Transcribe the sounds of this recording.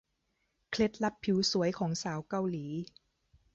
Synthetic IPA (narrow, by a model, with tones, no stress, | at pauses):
kʰle˦˥t̪̚la˦˥pʰːi˩˦wsu˩˦əjkʰɔː˩˦ŋsaː˩˦wka˧˨wliː˩˦